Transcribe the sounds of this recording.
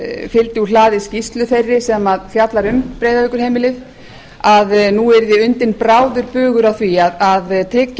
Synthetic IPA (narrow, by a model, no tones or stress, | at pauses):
fɪlt̪ɪulaːðɪscist̪lʏθerːɪsɛmaðfjat̪laɾʏmpɾejðavɪkʏɾ̥ɦeːjmɪlɪθ | aðnuɛɾðɪʏnt̪ɪnpɾaːwðʏɾpʏːɣʏɾawθviaðaðt̪ʰɾɪcː